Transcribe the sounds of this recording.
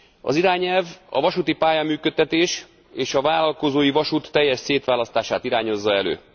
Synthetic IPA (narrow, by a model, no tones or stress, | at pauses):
ɒ̰ziɾaːɲɛlvɒ̰vɒʃut̪ipaːjamyːkøt̪ːɛt̪eːʃ | eːʃɒvaːlɒlko̞zoːjivɒʃut̪ːɛjːɛʃseːt̪ʋaːlɒst̪aːʃaːt̪iɾaːɲo̞zːɒɛlø̰ː